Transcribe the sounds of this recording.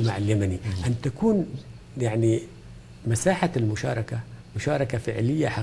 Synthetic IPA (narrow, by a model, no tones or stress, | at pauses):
ma̰ʕaljamaniʔant̪akuːn | jaʕni | masaːħalmʊʃɑ̰ːɾˤɑkamʊʃɑːɾˤɑkafɪʕlɪjːaħa